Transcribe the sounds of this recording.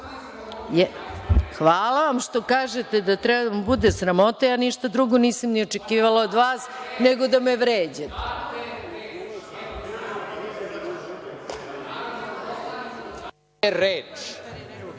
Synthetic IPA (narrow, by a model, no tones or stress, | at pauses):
jɛ | xʋaːlaʋamʃt̪o̞kaːʒet̪ed̪at̪ɾɛbmbud̪esɾamo̞t̪ajaːniʃt̪ad̪ɾuɡo̞niːsamnio̞t͡ʃekiːʋalˠaod̪ʋaːsneɡo̞d̪ameʋɾeːd͡ʑet̪ | ɾeːt͡ʂ